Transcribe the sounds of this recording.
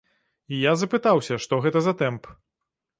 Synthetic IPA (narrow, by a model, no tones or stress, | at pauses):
ijazɐpɨt̪awsʲɐʂt̪ɔɣɛt̪ɐzɐt̪ɛmp